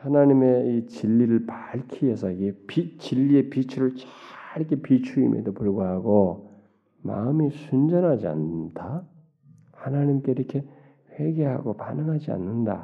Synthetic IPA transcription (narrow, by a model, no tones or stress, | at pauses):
hanaɲime̞it͡ɕiʎːiɾɯɭpaɭkʰiesʰʌiɡepit͡ɕiʎːie̞pit͡ɕʰuɾɯɭt͡ɕaiɾkʰepit͡ɕʰuḭmʔḛdopuɭɡoɦaɡo | ma̰ɯmisʰund͡ʑʌnɦad͡ʑia̰ndʰa | hanaɲimk͈e̞iɾʌkʰe̞ | ɸwe̞ɡe̞ɦa̰ɡopanɯŋɦad͡ʑia̰nːɯnda̰